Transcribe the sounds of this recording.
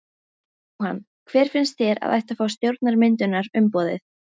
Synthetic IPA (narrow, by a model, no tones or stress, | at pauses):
ha̰nː | kʰv̥ɛːɾ̥fɪnst̪θjɛɾa̰ða̰jht̪afaːwst̪jowɾt̪naɾmɪnt̪ʏnaɾʏmpɔːðɪ̰θ